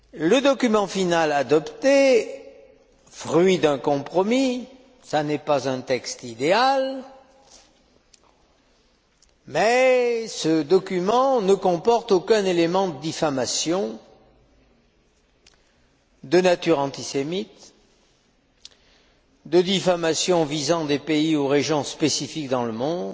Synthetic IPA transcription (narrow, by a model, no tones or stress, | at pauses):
ləd̪ɔkʲymɑ̃finalad̪ɔpt̪e | fʁɥid̪ɛ̃kɔ̃pχɔmi | sanɛpazɛ̃t̪ɛkst̪id̪eal | mɛsəd̪ɔkʲymɑ̃nəkɔ̃pɔʁt̪okɛ̃nelemɑ̃d̪əd̪ifamasjɔ̃ | d̪ənat̪yʁɑ̃t̪isemit̪ | d̪əd̪ifamasjɔ̃vizɑ̃d̪epeioʁeʒjɔ̃spesifik̚d̪ɑ̃ləmɔ̃d̪